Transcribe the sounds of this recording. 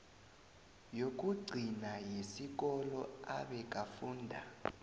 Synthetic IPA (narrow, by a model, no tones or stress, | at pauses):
jok̬ʼuɡ͡ǀʱinajesik̬ɔlɔa̰ɓɛk̬ʼafuːndʱa̰